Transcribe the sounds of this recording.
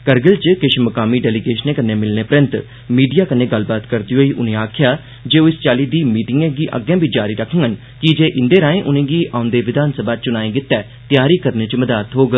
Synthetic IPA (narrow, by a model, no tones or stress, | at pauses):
kəɾɡəlt͡ʃkɪʃməkaːmiːɖɛːliːɡeːʃənẽːkəneːmɪlneːpɾə̃nt̪ | miːɖijaːkənːeːɡəlbaːt̪kəɾd̪iːɦoːiːʔʊ̰nẽːaːkʰɪjaː | d͡ʒeːoɪst͡ʃaːliːd̪iːmiːʈɪŋɡẽːɡiːʔə̰ɡẽːbiːd͡ʒaːɾiːɾəkʰə̃ŋən | kɪd͡ʒeːʔɪ̃nd̪eːɾãːẽːʔʊnẽːɡiːʔãːʊ̃nd̪eːʋɪd̪ʱaːnsəbaːt͡ʃʊnaːẽːɡɪt̪ːɛː | t̪ɪjaːɾiːkəɾneːt͡ʃməd̪aːt̪ɦoːɡ